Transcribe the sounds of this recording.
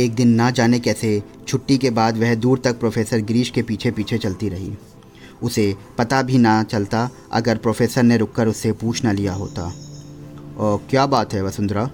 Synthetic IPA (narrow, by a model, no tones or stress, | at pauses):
eːk̚d̪ɪnːad͡ʒaːnekɛːse | t͡ʃʰʊʈːikebaːd̪ʋɛɦd̪uːɾt̪ɐk̚pɾoːfʰeːsəɾɡɾiːʃkepiːt͡ʃʰepiːt͡ʃʰet͡ʃɐlt̪iɾɐɦḭː | ʊsepɐt̪abʱinat͡ʃɐlt̪a | ɐ̰ɡəɾpɾoːfʰeːsəɾneɾʊkːəɾʊsːepuːt͡ʃʰnalijaɦo̰ːt̪a̰ | ɔːɾkjaːbaːt̪ɦɛʋɐsʊ̃nd̪ɾaː